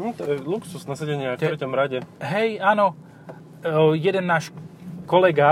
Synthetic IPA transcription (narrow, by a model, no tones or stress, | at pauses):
n̩t̪ɔɛluksusnasaɟɛɲɪat̪ɛɾɛcɔmɾaɟɛɦɛjaːnɔ | jɛd̪ɛnːaːʃkɔlɛɡa